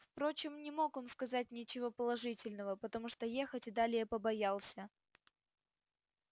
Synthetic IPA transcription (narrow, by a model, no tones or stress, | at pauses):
fpɾo̞t͡ɕɪmnʲɪmo̞ko̞nskɐzat̚ʲnʲɪt͡ɕɪvo̞pəlˠɐʐɨtʲɪlʲnəvəpət̪ɐmuʂt̪oje̞xətʲɪd̪alʲɪjəpəbɐjalˠsʲə